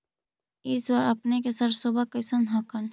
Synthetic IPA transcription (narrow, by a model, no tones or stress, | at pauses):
ɪswaːɾɐpnekesɐɾsoːbʱakɐɪsənɦɐkən